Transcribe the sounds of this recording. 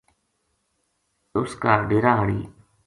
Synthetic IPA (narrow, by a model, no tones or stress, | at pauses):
ʊskaːɖeːɾaːɦəɽiː